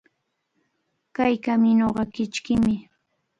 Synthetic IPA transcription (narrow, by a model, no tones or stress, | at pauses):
kajkamɪnoɢɑkɪt͡ʃkɪmɪ